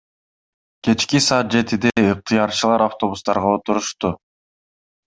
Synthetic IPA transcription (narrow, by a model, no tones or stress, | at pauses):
ke̞t͡ʃkisɑːt̪̚d͡ʒe̞t̪id̪eɯq̚t̪ʰijɑɾt͡ʃɯlˠɑɾaft̪o̞βust̪ɑɾʁɑo̞t̪uɾuʃt̪u